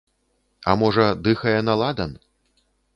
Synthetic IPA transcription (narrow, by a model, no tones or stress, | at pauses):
ɐ̰mɔʐɐd̪ɨxɐjɛnalˠad̪ɐn